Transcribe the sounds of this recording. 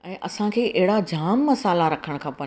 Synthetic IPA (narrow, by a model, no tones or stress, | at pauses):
ɛ̃ːʔɐsãkʰeːʔɛɦɪɽad͡ʑʱaːmːɐsaːlaɾɐkʰəɽ̃̆kʰãːpɐ